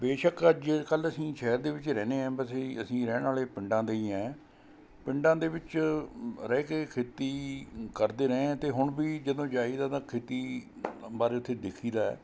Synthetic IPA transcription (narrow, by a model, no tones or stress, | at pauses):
beːʃəkəd͡ʒekələsĩːʃɛːɾd̪eːʋɪt͡ʃɾɛːneːɛ̃ːbəseːəsĩːɾɛːnaːleːpɪɳɖãːd̪eiːãː | pɪɳɖãːd̪eːʋɪt͡ʃ | ɾɛːkeːkʰeːt̪iːkəɾd̪eːɾɛ̃ːt̪eːɦʊɳbiːd͡ʒəd̪õːd͡ʒaːiːd̪aːt̪ãːkʰeːt̪iːbaːɾeːʊt̪ʰːeːd̪ɪkʰiːd̪aːɛ̰ː